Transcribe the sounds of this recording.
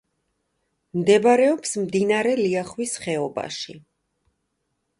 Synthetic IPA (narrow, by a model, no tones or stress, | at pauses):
md̪ɛbaɾɛɔpsmd̪inaɾɛliaχwisχɛɔba̰ʃi